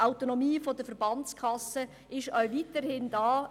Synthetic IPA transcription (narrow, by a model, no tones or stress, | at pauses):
ʔaʊtonomiːfodəfəɾbɑnt͡skʰɑsə | ɪʃœwvitəɾhɪndɑː